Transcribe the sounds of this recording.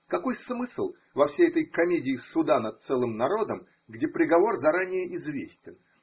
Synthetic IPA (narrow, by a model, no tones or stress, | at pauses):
kɐko̞jsmɨsɨlˠ | vɐfsʲejɛt̪əjkɐmʲedʲɪːsʊd̪anɐt̪̚t̪sɛlˠɨmnɐɾo̞d̪əm | ɡdʲepɾʲɪɡɐvo̞rzɐɾanʲɪjəʔɪzvʲesʲtʲɪn